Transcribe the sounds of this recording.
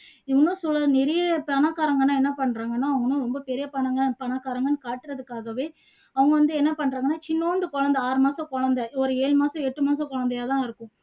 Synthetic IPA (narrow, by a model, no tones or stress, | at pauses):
ɪʋɐnːũːsɔlːɐnɛɾɪjɐpɐnaːkːaːɾɐŋɡɐnːaːɛnːɐpɐɳːɾaːŋɡɐnːaːɐʋɐŋɡɐnːʊ̃ːɾɔmbɐpɛɾɪjɐpɐnɐŋɡɐpɐnaːkːaːɾɐŋɡɐnːɯkaːʈːɯɾɐðɯkːaːɣɐʋeː | ɐʋɐŋɡɐʋɐnd̪ɯɛnːɐpɐɳːɾaːɡɐnːaːt͡ʃɪnːoːɳɖɯkɔɻɐnd̪ɐaːɾɯmaːsɐ̃kɔɻɐnd̪ɛɔɾɯeːɻɯmaːsɐ̃ɛʈːɯmaːsɐ̃kɔɻɐnd̪ɐjaːt̪ãːɪɾɯkːʊ̃